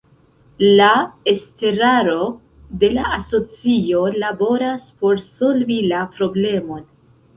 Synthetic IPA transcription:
laeste̞ɾaɾo̞ | de̞laaso̞t͡sio̞labo̞ɾaspo̞ɾso̞lvilapɾo̞ble̞mo̞n

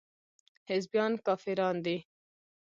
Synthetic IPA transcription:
hɪzbjɑːnkɑːfiɾɑːnd̪i

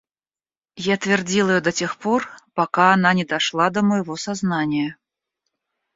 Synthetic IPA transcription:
jat̪vʲɪrd͡zʲilˠəjɔd̪ɐt͡sʲɛxpɔrpakaːnanʲɛd̪aʂlˠad̪ɐmɐjvɔsaznanʲɪjɐ

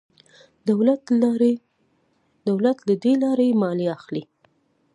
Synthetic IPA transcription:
d̪awlat̪ɾ | d̪̥awlat̪lad̪elɑɾajemɑliaxli

